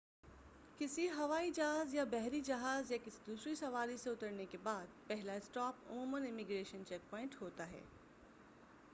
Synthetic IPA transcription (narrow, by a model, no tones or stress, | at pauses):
kɪsiɦɐʋaːid͡ʒɐɦaːzjabɛɦɾid͡ʒɐɦaːzjakɪsid̪uːsɾisɐʋaːɾisẽʊt̪əɾnekebaːd̪̚pɛɦlaɪsʈɔːpʊ̰muːmənɪmɪɡɾeːʃənt͡ʃɛːk̚pɔːɪ̃ɳʈɦoːt̪aɦɛ̰ː